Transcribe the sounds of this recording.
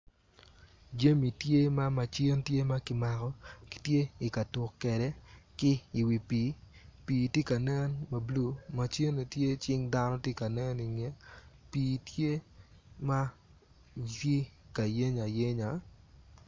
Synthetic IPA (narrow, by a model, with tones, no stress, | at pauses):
d͡ʒe˦mi˨tje˦ma˦ma˨t͡ʃi˦ntje˦ma˦kɪ˦ma˨kɔ˦ki̥˦tje˦i˨ka˨tʊ˨kːɛ˨dɛ˦kɪ˦i˨wi˨piː˨˦ | piː˨ti˦ka˨nɛ˦nma˨blu˦ma˨t͡ʃi˦ne˨tje˦t͡ʃɪ˦ŋda˦nɔ˦tje˦ka˨nɛ˦ni˨ŋe˨ | piː˨tje˦ | ma˦ | i˦ka˨je˦ɲa˨je˦ɲa˨